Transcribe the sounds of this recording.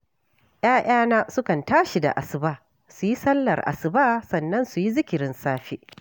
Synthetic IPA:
ʔj̰aː˦ʔaː˦naː˦sʊ˦kɐ˨ntaː˦ʃi˨da̰˨ʔa˨sɪ˨baː˦ | su˨ji˦sɐ˦lːɐ˨rʔa̰˨sɪ˨baː˦sɐ˨nːɐ˦nsu˨ji˦zɪ˦kʲɪ˨ɾɪ˦nsaː˦ɸe˦

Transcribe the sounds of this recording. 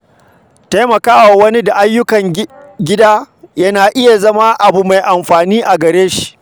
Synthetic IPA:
ta˦jmɐ˨kaː˦waː˨wɐ˦ni˦da˨ʔa˦jːʊ˦kɐ˨ŋ | ɡʲɪ˦daː˦ | jɐ˦naː˨ʔɪ˦ja˨zɐ˦ma˦ʔa˨bu˨ma˨jʔa˨mɸaː˨niː˦ʔa˨ɡɐ˨ɾeː˦ʃi̥˨ʔ

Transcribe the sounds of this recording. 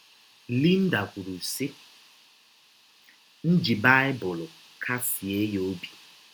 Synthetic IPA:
li˦n̩˦da˨kʷu˨ɾu˨si˦ | n̩˦d͡ʒi˨ba˦ɪ˦bʊ˨lʊ˨ | kʰa˦si˨e˦jo˦bi̥˨

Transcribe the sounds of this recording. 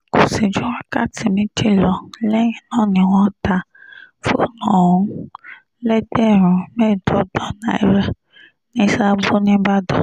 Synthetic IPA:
ko˨si˨d͡ʒu˦ɾa˦ka˦tʰi˨mĩ˦tʰi˦lɔ˨lɛ˦nɔ̃˦˨nĩ˨wɔ̃˦ta˨ | fo˦nɔ̃˨ũ˦ | lɛ˦dɛ˦˨ɾũ˨mɛ̃˦˨dɔ˨dɔ˨˦nã̰˨ɛ˦ɾɛ˦ | nĩ˦sa˦bo˦nĩ˦ba˦dɔ̰˨

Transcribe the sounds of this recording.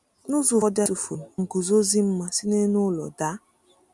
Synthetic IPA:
nʊ˦zʊ˨ɔ˦da˦su˨fu˨ŋ̩˨ku˨zo˦zi˦m̩˦ma˦si˦ne˦nʊ˦lɔ̰˨da˦

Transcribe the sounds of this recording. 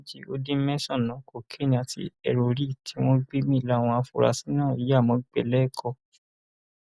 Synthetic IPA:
d͡ʒi˦o˧˦dĩ˦mɛ̃˦sɔ̃˦˨nã˨˦ko˦˨kʰe˦nĩ˧a˨tʰḭ˧ɛ˧ɾo˨ɾi˦˨tʰi˨˦w̃ɔ̃˦ɡ͡be˦mĩ˦˨la˨˦˨w̃ɔ̃˧a˧fṵ˨ɾa̰˨sĩ̥˨˦nã˦˨i˨ja˦˨mɔ̃˨˦ɡ͡bɛ̰˦˨lɛ˦˨kʰɔ˧

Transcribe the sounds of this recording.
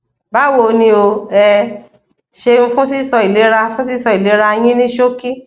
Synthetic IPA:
ba˨˦wo˧˨nĩ˧o˧ɛ˧ | ʃe˧ñ̩˧fũ˦si˦˨sɔ˧i˨le˨˦ɾa˧fũ˦si˦sɔ˧i˨le˨˦ɾa˧j̃ĩ˦nĩ˦ʃo˦ki˦

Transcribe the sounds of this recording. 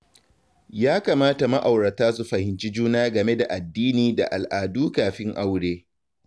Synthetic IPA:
jaː˦kaː˨maː˦ta˨ma˦ʔa˨wɽɐ˨taː˦su˨ɸɐ˨hɪ˨nt͡ʃi˦d͡ʒuː˦naː˦ɡɐ˨me˦da˨ʔa˨dːiː˦niː˨da̰˨ʔa˨lʔaː˨duː˦kaː˨ɸɪ˦ŋʔa˦wɽeː˦

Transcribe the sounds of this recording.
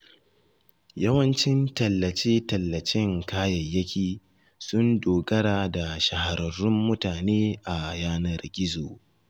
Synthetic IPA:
jɐ˦wɐ˦nt͡ʃɪ˦ntɐ˨lːɐ˨t͡ʃeː˦tɐ˨lːɐ˨t͡ʃɪ˦ŋkaː˦jɐ˨jːɐ˦kʲiː˨ | sʊ˦ndoː˨ɡɐ˦ɽaː˨da˨ʃɐ˨ha˨ɾɐ˨ɾʊ˦mːʊ˦taː˨neː˦ʔa˨jaː˦nɐ˨rɡʲɪ˦zoː˨

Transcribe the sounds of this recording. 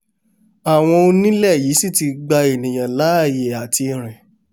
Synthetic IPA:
a˨w̃ɔ̃˧o˧nĩ˦lɛ˦˨jiː˨˦si˦˨ti˧ɡ͡ba˧e˨nĩ˨j̃ã˨la˨˦˨je˨a˨ti˧ɾ̃ɛ̃˨

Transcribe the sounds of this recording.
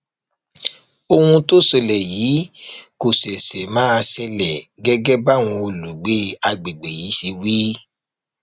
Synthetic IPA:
o˧hũ˧to˦sɛ˧lɛ˨jiː˨˦ko˨sɛ˨sɛ˨mãː˦a˧sɛ˧lɛ˨ɡɛ˦ɡɛ˦ba˦˨w̃ũ˧o˧lu˨ɡ͡be˨˦a˧ɡ͡be˨ɡ͡be˨ji˨˦ʃe˧wi˦

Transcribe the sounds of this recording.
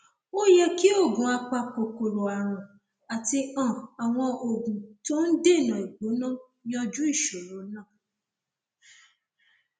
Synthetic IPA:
o˦jɛ˦ki˦o˦˨ɡũ˨a˨k͡pa˧k͡po˨ko˨ɾo˨a˨ɾ̃ũ˨ | a˨ti˧ɔ̃˦˨a˨w̃ɔ̃˧ʔo˨ɡũ˨to˦n̩˦de˦˨nã˨i˨ɡ͡bo˨˦nã˦ | nĩ˦ɔ˧d͡ʒu˦i˦˨ʃo˨ɾo˨˦nã˦˨

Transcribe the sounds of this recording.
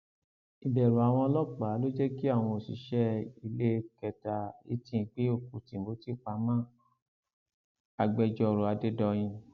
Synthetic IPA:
i˨bɛ˨ɾo˨a˨w̃ɔ̃˧lɔ˦k͡pa˨˦lo˦d͡ʒɛ˦ki˦a˦˨w̃ɔ̃˧o˨sḭ˨ʃɛ˦i˧le˦˧kɛ˨ta˨ḭ˨˦tĩ˦˧˨k͡pe˦o˦˨ku˨tĩ˨m̩˨bo˨˦ti˦˨k͡pa˧˦mã˦˨ | a˨ɡ͡bɛ˧d͡ʒɔ˧ɾo˨a˧de˦dɔ˧j̃ĩ˧

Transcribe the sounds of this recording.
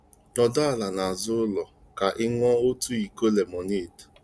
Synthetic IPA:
nɔ˨dɔ˦a˨la˨na˨zʊ˦lɔ˨ | ka˨ʔɪ˦ŋɔ˦o˦tu˦i˨ko˦le˨mɔ˨ne˦˨t

